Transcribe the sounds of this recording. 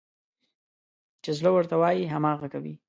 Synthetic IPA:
t͡ʃezlowəɾt̪awɑjiɦamɑɣakawḭ

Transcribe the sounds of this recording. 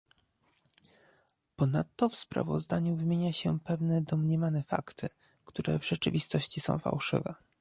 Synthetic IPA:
pɔnat̪ːɔfspɾa̰vɔ̰zd̪aɲuvɘmʲjeɲaɕɛpɛvnɛd̪ɔmɲɛmanɛfa̰kt̪ʰɘ | kt̪uɾɛ̰vʐɛt͡ʂɘvʲist̪ɔɕt͡ɕisɔ̰̃w̃fa̰wʂɘ̰vɛ

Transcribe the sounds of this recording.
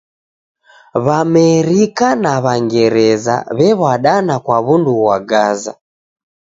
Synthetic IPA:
βamɛɾikanaβaŋɡɛɾɛza̰βɛβaɗanakwaβunduɣwaɡaza̰

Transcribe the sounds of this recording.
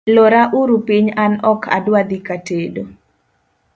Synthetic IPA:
loɾaʔuɾupiɲanɔkʰa̰dwad̪ikatedo

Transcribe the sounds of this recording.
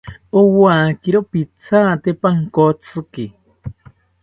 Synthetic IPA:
owaːkiɾopit͡sʰaːt̪epaŋkot͡sʰɨki

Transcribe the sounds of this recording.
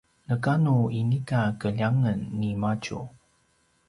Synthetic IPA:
nəkanuinikakəʎaŋənːimacṵ

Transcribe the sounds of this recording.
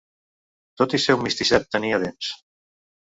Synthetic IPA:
t̪ot̪isɛwmist̪isɛt̪̚ːəniəðens

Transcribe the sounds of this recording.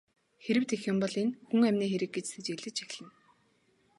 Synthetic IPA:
xeɾɘ̆w̥t̪exjʊ̆mpɔɮinxuŋæmʲniːxeɾɘ̆k̚ɡet͡ɕsĕt͡ɕeɮɘ̆t͡ɕʰæ̥x̆ʲɮɘ̆n

